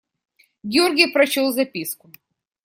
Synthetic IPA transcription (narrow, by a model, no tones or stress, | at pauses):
ɡʲɪorɡʲɪjpɾɐt͡ɕolˠzɐpʲiskʊ